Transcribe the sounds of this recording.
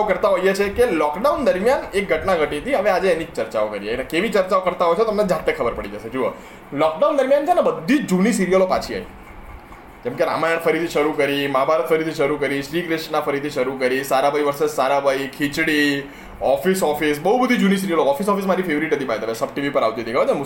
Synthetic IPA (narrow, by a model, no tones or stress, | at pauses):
aokəɾt̪aɦojet͡ʃʰekelɔkɖawund̪əɾmjanek̚ɡʱəʈnaɡʱəʈit̪ʰiəʋead͡ʒeenit͡ʃəɾt͡ʃaokəɾiainekeʋit͡ʃəɾt͡ʃaokəɾt̪aɦojt͡ʃʰet̪əmned͡ʒat̪ːekʰəbəɾpəɽid͡ʒəʃed͡ʒuə̰ | lɔk̚ɖawnd̪əɾmjant͡ʃʰenabəd̪ʱːit͡ʃd͡ʒunisiɾijəlopat͡ʃʰia̰j | d͡ʒɛmkeɾa̰majəɳ̃fʰəɾit̪ʰiʃəɾukəɾimaabʱaɾət̪fʰəɾit̪ʰiʃəɾukəɾiʃɾikɾɪʃʈnafəɾit̪ʰiʃəɾukəɾisaɾabaiʋəɾsesaɾabʱaikʰit͡ʃɽi | ɔfisɔfis̬bəɦubəd̪ʱid͡ʒunis̬iɾiəloɔfis̬ɔfis̬maɾifʰeʋɾiʈnət̪ipaet̪əʋesəb̚ʈiʋipəɾa̰ʋt̪it̪ʰikəʋet͡ʃemu